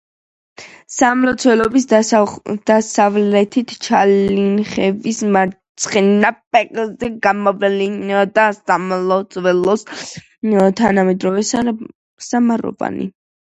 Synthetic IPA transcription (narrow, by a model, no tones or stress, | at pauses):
samlɔt̪sʰvɛlɔbis | d̪̥asavlɛt̪ʰit̪ʰt͡ʃʰalinχɛvismaɾt̪sʰʼχʼɛnapʼɛqʼlzɛɡamɔvɛliad̪asamlɔt̪sʰʼwɛlɔs | t̪ʰanamɛd̪ɾɔvɛsa | samaɾɔ̰va̰nḭ